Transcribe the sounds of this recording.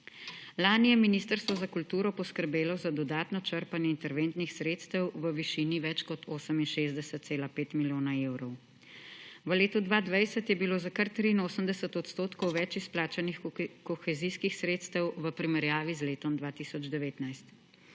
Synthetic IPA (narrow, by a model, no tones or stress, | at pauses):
laːnijɛminiːst̪əɾst̪ʋɔzakult̪uːɾɔpɔskəɾbeːlɔzad̪ɔd̪aːt̪nɔt͡ʃəɾpanjɛint̪ɛɾʋent̪nixsɾeːt̪st̪əwʋəʋiʃiːniʋɛt͡ʃkɔt̪ʰoːsəminʃeːzd̪ɛsət̪t̪seːlapeːt̪miljoːnaewɾɔw | ʋəleːt̪ud̪ʋad̪ʋajsət̪jɛbiloːzakəɾt̪ɾiːnoːsəmd̪ɛsət̪ɔt̪st̪oːt̪kɔwʋɛt͡ʃisplaːt͡ʃanixkɔxɛziskixsɾeːt̪st̪əwʋəpɾimɛɾjaːʋizleːt̪ɔmd̪ʋaːt̪isɔd͡ʒd̪ɛʋeːt̪najst̪